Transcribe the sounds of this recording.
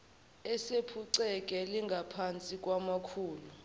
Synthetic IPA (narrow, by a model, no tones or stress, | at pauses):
ɛsepʰuǀɛk̬ʼɛliŋɡʱapʰant͡sʼik̬ʼwamakʰuːlu